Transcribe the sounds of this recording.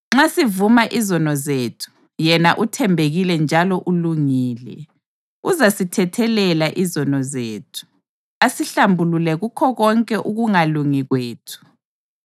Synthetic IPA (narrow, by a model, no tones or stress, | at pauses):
ŋ͡ǁasivumaʔizɔnɔzeːtʰu̥ | jɛnaʔutʰɛmbʱeɣilɛnd͡ʒʱalɔʔuluŋiːlɛ̰ | uzasitʰɛtʰɛlɛlaʔizɔnɔzeːtʰu̥ | asiɬambʱululɛɣukʰɔɣɔŋkʼɛʔuɣuŋaluŋiɣweːtʰu̥